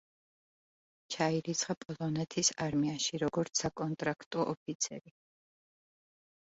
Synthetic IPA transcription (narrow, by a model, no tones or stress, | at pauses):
t͡ʃʰaiɾit̪sʰχapʼɔlˠɔnɛt̪ʰisaɾmiaʃiɾɔɡɔɾt̪sʰakʼɔnt̪ʼɾakʰt̪ʼɔʔɔpʰit̪sʰɛɾi